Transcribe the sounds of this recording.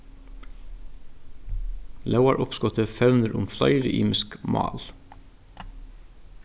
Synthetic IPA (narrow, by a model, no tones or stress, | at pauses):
lɑʊɑɹʔʊpskɔt̪əfœʉnəɾʔʊmflɑ̰ɪɾəʔḭːmɪskmɑ̰ːl